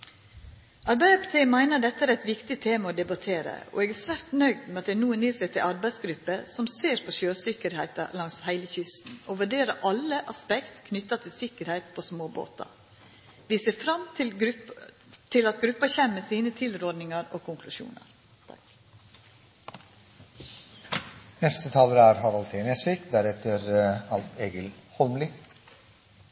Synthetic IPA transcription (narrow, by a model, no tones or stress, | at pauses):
ʔɑɾbæɪd̪ɛpt̪ʰeːmæɪnəɖɛt̪ːəæːɾæɪt̪ʋɪkt̪ɪt̪ʰeːmɑoːd̪ɛbɑt̪ʰeːɾə̰ɔ̰ɛɡæːsʋæɾt̪nœʏd̪mɛɑt̪̚d̪æɪnuːəniːsɛɪt̪ʰɪlɑɾbæɪsɡɾʉpːəsɔmseːɾpʰɔʃøːsɪkəɾhæɪt̪ɑ̰lɑŋshæɪləçʏst̪n̩oʋʉɖeːɾəʔɑlːəʔɑspɛkt̪kʰnʏt̪ːɑt̪ʰɪlsɪkəɾhæɪt̪pʰɔsmoːbo̰ːt̪ɑ̰ | ʋɪːseːɾfɾɑm | t̪ʰɪlɑt̪ɡɾʉpːɑçɛmːəsiːnət̪ʰɪlɾɔɖnɪŋɑɾoːkʰʊŋkʰlʉʃṵːnɑ̰ɾ | nɛst̪ət̪ʰɑːləɾæːɾhɑɾɑlt̪ʰeːnɛsʋiːkd̪æɾɛt̪əɾɑlt̪eːɡəlhɔlmlɪ